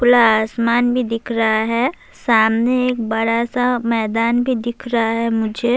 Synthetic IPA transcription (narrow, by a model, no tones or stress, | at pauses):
kʊlaaːsmaːnbʱid̪ɪkʰɾɐɦaɦɛ | saːmneeːk̚bɐɽasamɛːd̪aːnbʱid̪ɪkʰɾaɦaɦɛmʊd͡ʒʱe